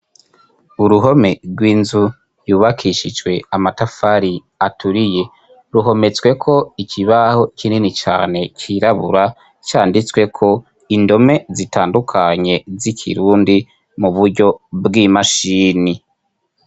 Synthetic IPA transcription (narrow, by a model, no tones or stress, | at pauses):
uɾuɦo̞me̞ɾɡwiːnzu | juːβakʰiʃid͡ʒwe̞amatafaɾi | atuɾije̞ | ɾuɦo̞me̞t͡swe̞kʰo̞ikʰiβaho̞ikʰininit͡ʃa̰ːne̞ciɾaβuɾa | t͡ʃaːndit͡swe̞kʰo̞ | indo̞me̞zitaːndukʰaɲe̞zikʰḭɾuːndi | muβuɾɟo̞bɡimaʃiːni